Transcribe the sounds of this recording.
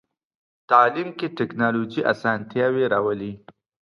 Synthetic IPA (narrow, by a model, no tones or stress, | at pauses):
t̪ɑːlimkeʈɪknɑlod͡ʒiʔa̰sɑnt̪jɑweɾawəli